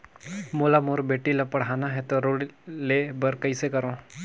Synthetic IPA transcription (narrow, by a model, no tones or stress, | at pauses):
moːlamoːɾbeːʈilapɐɽ̤aːnaɦɛt̪oɾoːɽilebɐɾkɐisekɐɾõː